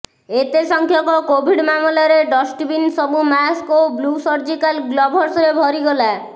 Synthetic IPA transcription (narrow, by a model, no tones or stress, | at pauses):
et̪esɔŋkʰjɔkɔkobʱiɖmamulaɾeɖɔsʈbinsɔbumaskoblusɔɾd͡ʒikalɡlɔbʱɔɾsɔɾebʱɔɾiɡɔla